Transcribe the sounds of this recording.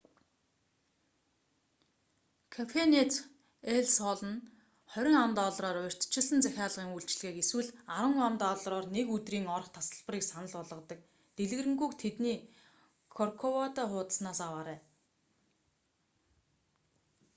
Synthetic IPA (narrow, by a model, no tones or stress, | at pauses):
kʰafenet̪ | eɮsɔɮə̆n | χœɾʲɪ̆ŋamt̪ɔɮrɔːɾʊr̥ʲt̪t͡ɕɪ̆ɮə̆nt͡sæxʲaːɮə̆ʁiːŋuɬt͡ɕ̆ɮɣeːkeswɘ̆ɮaɾwə̆ŋamt̪ɔɮrɔːrnekɵt̪riːŋɔrχt̪ʰasə̆ɮpə̆riːksanə̆ɮɔɮʁɞ̆t̪ə̆k̚ | t̪eɮ̆ɣɘ̆rɘ̆ŋɡujkt̪ʰet̪niː | kʰɔrkʰɔwat̪aχʊːt̪ə̥̆snaːsawaːɾæː